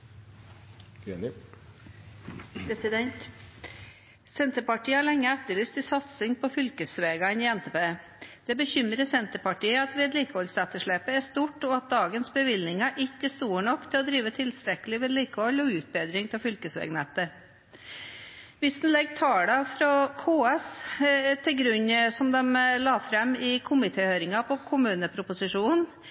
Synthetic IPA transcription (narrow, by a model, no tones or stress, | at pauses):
enɪ | pʰɾɛsɪd̪ɛnt̪ | sɛnt̪əɾpɑʈiːəhɑɭɛŋːəæt̪ːəɭyːst̪ɪsɑt̪sɪŋpʰɔfʏlkəsʋeːɡɑɪniːɛnt̪epeː | d̪̥ɛbəçʏmɾəsɛnt̪əpɑʈiːəɑt̪ʋeːd̪liːkəhɔlsɛt̪ːəʂɭeːpəæʂt̪uːʈɔɑt̪̚d̪ɑːɡənsbəʋɪlnɪŋɑʔɪçːəst̪uːɳɔkːt̪ʰɪlɔd̪ɾiːʋət̪ʰɪlst̪ɾɛkəlɪʋɛːd̪liːkəhɔlːɔʉːt̪̚beːd̪ɾɪŋt̪ʰɛlfʏlkəsʋḛːɡnɛt̪ːə | ʋɪsd̪n̩lɛɡːt̪ʰɑːɽɑfɾɑkʰoːɛst̪ʰɪlɡɾʉɲːsɔmd̪ɛmlɑːfɾɛmːɪkʰʊmɪt̪ʰeːhøːɾɪŋɑpʰɔkʰʊmʉːnəpʰɾʊpʊsɪʂuːn